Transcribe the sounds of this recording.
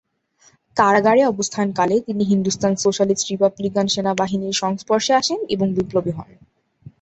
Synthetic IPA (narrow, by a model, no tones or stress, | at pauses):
k̪aɾaɡaɾeɔbost̪ʰankalet̪iniɦind̪ust̪ansoʃalisʈɾipablikanʃenabaɦiniɾʃɔŋspɔɾʃeaʃenḛboŋbiplobiɦɔ̰n